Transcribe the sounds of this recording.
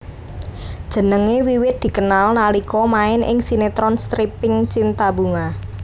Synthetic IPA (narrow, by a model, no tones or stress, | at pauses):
d̥ʒ̥ə̤nəŋewiwɪt̪̚d̪̥i̤kənalnalikɔmaɪnʔɪ̰ŋsinet̪ɾɔnst̪ɾipɪŋt͡ʃint̪abuŋa